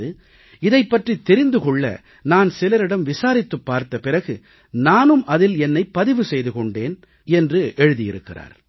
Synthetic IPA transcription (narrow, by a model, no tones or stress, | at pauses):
ðɯ | ɪðɐɪpːɐʈrit̪ːɛɾɪnd̪ɯkɔɭːɐ̰ | naːnsɪlɐɾɪɽɐmʋɪsaːɾɪt̪ːɯpːaːɾt̪ɐpɪrɐɣɯ | naːnɯmʔɐðɪlɛnːɐɪpːɐðɪʋɯsɛjðɯkɔɳɖeːn | ɛndrɯʔɛɻɯðɪjɪɾɯkːɪra̰ːɾ